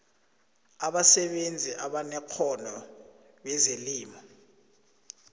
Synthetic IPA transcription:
aɓasɛɓend͡zʱiʔaɓanɛkʰɔnɔ | ɓɛzeliːmɔ

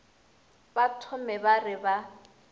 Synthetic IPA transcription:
batʰʊmɛbarɪba

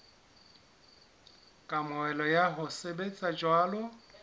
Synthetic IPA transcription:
kʼamʊɛlɔjaɦʊsebet͡sʼad͡ʒwaːlɔ

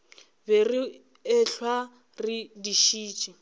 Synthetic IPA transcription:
beri | ɪɬwa | ridiʃiːt͡ʃʼi

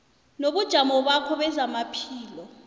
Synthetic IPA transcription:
noɓud̥ʒ̥ʱamɔɓakʰɔɓɛzamapʰiːlɔ

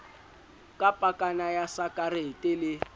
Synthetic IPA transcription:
kʼapʼakʼanajasakʼaretʼɪlɪ

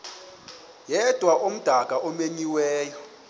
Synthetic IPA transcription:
jɛd̥ʱwaʔom̩d̥ʱaɡ̥ʱaʔomeɲiwɛːjɔ

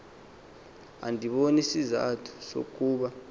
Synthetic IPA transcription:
a̰ndʱiɓonisiza̰tʰu̥so̰k̬ʼuːɓa

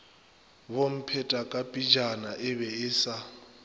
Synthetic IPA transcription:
bom̩pʰɛtʼakʼapʼid͡ʒanaʔɪβɛɪsa

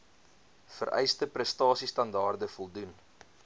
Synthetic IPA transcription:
fə̰rʔɛ̰jstəprəstɑːsistɐndɑːrdəfɔlˠdun

